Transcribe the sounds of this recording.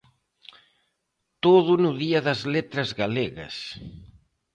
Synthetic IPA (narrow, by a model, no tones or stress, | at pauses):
t̪oðunuðiɐðɐzlet̪ɾɐzɣaleɣɐ̰s